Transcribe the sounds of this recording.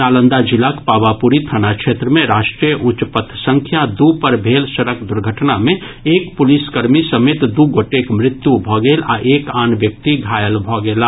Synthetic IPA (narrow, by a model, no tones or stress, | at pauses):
aːlə̃nd̪ad͡ʒɪlakpaːʋapuɾit̪ʰənakʃʰet̪ɾəmẽɾaːʃʈɾijəʔʊt͡ʃpət̪ʰsə̃ŋkʰjad̪upəɾbʱeːlsəɾəkd̪ʊɾɡʱəʈnamẽ | eːkpʊliskəɾmisəmeːt̪d̪uɡoːʈekmɾɪt̪jubʱɔɡeːla̰ʔeːkaːnʋjək̚t̪iɡʱaːjəlbʱɔɡeːla